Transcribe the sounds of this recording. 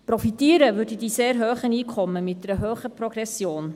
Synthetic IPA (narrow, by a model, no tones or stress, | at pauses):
prɔfitiːəɾəʋʏɾdidiseːɾɦøːχəniːkʰχɔmːəmɪt̚dɛɾəɦøːχəpɾɔɡɾɛsjoːn